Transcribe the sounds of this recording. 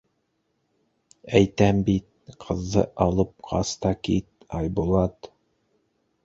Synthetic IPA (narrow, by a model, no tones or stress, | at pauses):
æjt̪æmbit̪̚qʰɤ̆zːɤ̰ʔɑlˠɤp̚qʰɑ̰st̪ɑkit̪̚ | ɑjbulˠɑt̪